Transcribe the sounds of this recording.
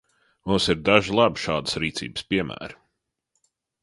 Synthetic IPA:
mumsiɾd̪aʒilˠabiʃaːd̪ə̥sɾiːt̪sḭːb̥spiɛmʔæ̰ːɾ

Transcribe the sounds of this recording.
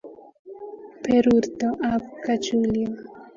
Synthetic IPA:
peɾuɾt̪oʔabukat͡ʃuljo

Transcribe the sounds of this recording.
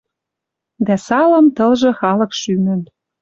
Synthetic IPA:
d̪æsɑlɤ̆mt̪ɤ̆lʒɤ̆xɑlɤ̆kʃymə̆n

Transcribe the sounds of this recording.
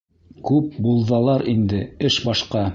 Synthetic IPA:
kʉp̚bulˠðɑlˠɑɾind̪ɘɘʃbɑʃqɑ

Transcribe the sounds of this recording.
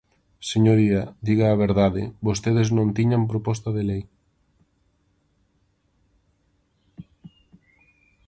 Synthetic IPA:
seɲoɾiɐd̪iɣaːβ̞eɾðaðɪ̰bost̪eð̞eznõnt̪iɲampɾopɔst̪ɐðelej

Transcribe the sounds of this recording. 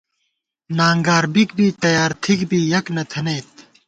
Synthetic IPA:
naːŋɡaːɾbik̚biːt̪ɐjaːɾt̪ʰikbiːjɐknɐt̪ʰɐneːt̪̚

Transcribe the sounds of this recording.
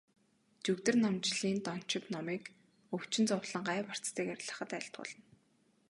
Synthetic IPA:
t͡ɕɵkt̪ɘ̆rnɔmt͡ɕɮiːnt̪ɔn̥t͡ɕɪ̆t̪nɔmiːk | ɵw̥t͡ɕɪ̆nt͡sʊwɮə̆ɴɢaːpar̥t͡st̪iːkæɾʲɮə̆χə̆t̪æɬt̪̚ɢʊ̰ːɮə̆n

